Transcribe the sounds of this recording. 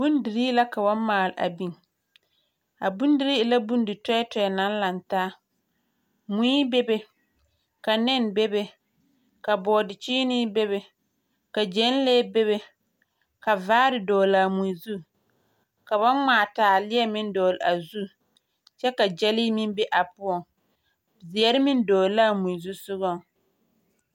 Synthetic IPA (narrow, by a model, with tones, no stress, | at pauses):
bu˦ndi˨ɾi˦la˦ka˨ba˦nmaː˨la̰˨bi˦˨ŋ | a˨bu˦n˦di˨ɾi˦˨˦la˦bu˦n˦dɪ˨tɔ˦ɛ˦tɔ˨ɛ˨na˨˦n˦la˨ntaː˦ | mũ˨˦i˦be˦be˦ | ka˨nɛ˦˨nbe˦be˨ | ka˨bɔː˨dɪ˨t͡ʃiː˦nɪ˦be˦βe˨ | ka˨d͡ʒɛ˨˦n˦leː˦be˦βe˦ | ka˨vaː˦ɾɪ˨dɔː˨laː˨mu˨i˨zu˦ | ka˨βa˦maː˨taː˨lɪ˦ɛ˦mɪ˦n˦dɔː˨la˨zu˦ | t͡ʃɛ˦ka˨d͡ʒɛ˦li˦mɪ˦n˦be˦ʔa˨pʊ˦ɔ˨ŋ | zɪ˨ɛ˦ɾɪ˦mɪ˦n˦dɔː˨la˦˨mu˨i˨zu˦sʊ˦ɣɔ˦˨ŋ